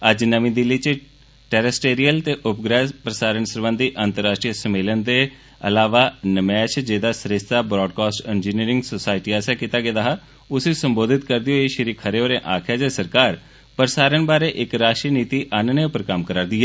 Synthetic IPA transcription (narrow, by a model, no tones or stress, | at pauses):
əd͡ʒnəmĩːd̪ɪlːiːt͡ʃ | ʈɛːɾəsʈeːɾijəlt̪eːʔʊpɡɾɛːpɾəsaːɾəɳsəɾbə̃nd̪iʔəːnt̪əɾːaːʃʈɾijəsəmeːlənd̪eː | ə̰laːʋaːnəmɛːt͡ʃd͡ʒeːd̪aːsɾɪst̪aːbɾɔːɖkaːsʈend͡ʒiːniːɾɪŋɡsoːsaːɪʈiːɛːsaːkiːt̪aːɡeːd̪aːɦaː | ʊsesəmboːd̪ʱɪt̪kəɾd̪ɪoːeʃəɾiːkʰəɾeːoːɾẽːʔaːkʰjaːd͡ʒɛːsəɾkaːɾ | pəɾsaːɾənbaːɾeːʔɪkɾaːʃʈɾəniːt̪iːʔaːnənẽʊpəɾkəmkəɾəɾd̪iːɦɛː